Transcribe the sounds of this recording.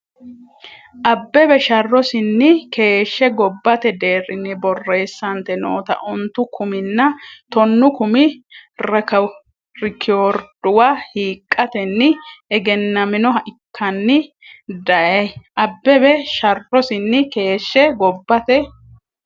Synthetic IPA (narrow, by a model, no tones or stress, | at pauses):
ʔɐbːɛbɛʃɐrːɔsɪnːɪke̞ːʃːɛɡɔbːɐt̪ɛd̪e̞ːrɪnːɪbɔrːe̞ːsːɐnt̪ɛno̰ːt̪ɐ̰ʔʊnt̪ːʊkʰʊmɪnːɐt̪ɔnːʊkʊmɪɾɐkɐ | ɾɪkʰːɪoɾd̪̥ʊwahiːkʼːɐt̪ɛnːɪɛɡɛnːɐmɪnɔɐʔɪkʰːɐnːɪ | d̪ɐjɐjʔɐbːɛbɛʃɐrːɔsɪnːɪke̞ːʃːɛɡɔbːɐt̪ɛ